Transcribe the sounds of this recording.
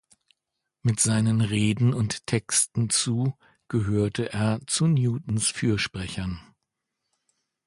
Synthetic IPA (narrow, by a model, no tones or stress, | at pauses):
mɪtz̥aɪnənʁeːdn̩ʊnttʰɛkstn̩t͡suː | ɡ̥əɦøːɐtʰəʔeːɐt͡sunjuːtn̩sfyːɐʃpʁ̥ɛçɐn